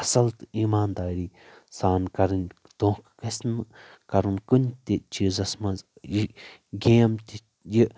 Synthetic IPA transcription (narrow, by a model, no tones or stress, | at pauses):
ɐsɐlt̪iːmaːnd̪aːɾiː | saːnkɐɾɨnʲ | t̪õːkkɐsʲn | kɐɾɨnkunʲt̪ʲit͡ʃizɐsmɐzjiɡeːmt̪ʲi | ji